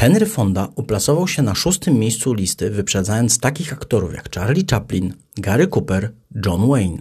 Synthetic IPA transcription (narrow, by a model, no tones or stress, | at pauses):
xɛnɾɘfɔnd̪aʔuplat̪sɔvawɕɛnaʂust̪ɘmːjejst̪sulʲist̪ɘvɘpʂɛd̪zajɔnt̪st̪akʲixakt̪ɔɾṵfja̰kt͡ʂaɾlʲit͡ʂaplʲin | ɡaɾɘkupɛɾ | d͡ʐɔnwɛjn